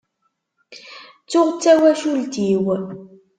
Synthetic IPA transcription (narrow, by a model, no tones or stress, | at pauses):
t͡sːʊʁt͡sːæwæʃultiːw